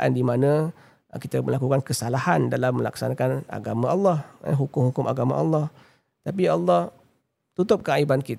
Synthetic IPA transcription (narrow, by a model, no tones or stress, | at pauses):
ʔa̰ndimanã | kit̪aməlakukankəsalahandalamːəla̰ksa̰nakana̰ɡamãʔɑlːɑhɦukʊmhukʊmʔa̰ɡama̰ʔɑ̰lːɑh | t̪ap̬iɑlːɑh | t̪ut̪ʊp̚kaaibankit̪